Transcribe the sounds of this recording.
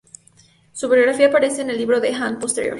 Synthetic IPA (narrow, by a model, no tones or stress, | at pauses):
suβiɾoɣɾafiaːpaɾeseːnelːiβɾo̞ðexanpost̪eɾjo̞̰ɾ